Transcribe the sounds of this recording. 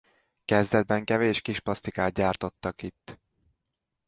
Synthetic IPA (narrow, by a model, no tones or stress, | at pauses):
kɛzd̪ɛd̪̚bɛŋkɛveːʃkiʃplɒst̪ikaːt̪̚ɟaːrt̪o̞t̪ːɒkit̪ː